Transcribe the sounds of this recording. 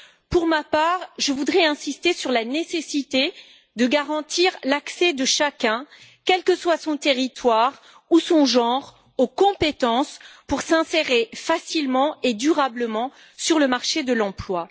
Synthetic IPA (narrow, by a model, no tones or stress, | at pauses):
puʁmapaːʁʒəvud̪ʁɛɛ̃sist̪esyʁlanesesit̪e | d̪əɡaʁɑ̃t̪iʁlaksɛd̪əʃakʲɛ̃kɛlkəswasɔ̃t̪eʁit̪waʁ | usɔ̃ʒɑ̃ʁ | okɔ̃pet̪ɑ̃spuʁsɛ̃seʁefasilmɑ̃ed̪yʁabləmɑ̃ | syʁləmaʁʃed̪əlɑ̃plwa